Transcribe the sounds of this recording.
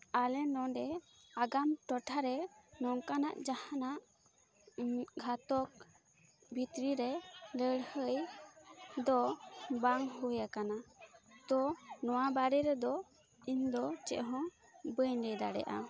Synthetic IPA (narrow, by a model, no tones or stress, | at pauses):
alɛnɔ̃ɖɛ | aɡamʈɔʈʰaɾɛnɔŋkana̰ʔd͡ʒahanaʔ | ɡʱat̪ɔk̚ | bʱit̪ɾiɾɛləɽhəj | d̪ɔbaŋɦujakanat̪ɔnɔwabaɾɛɾɛd̪ɔ | iɲd̪ɔt͡ʃɛ̰ʔɦɔ̃ | bəjɲɖɛjd̪aɽɛ̰ʔa̰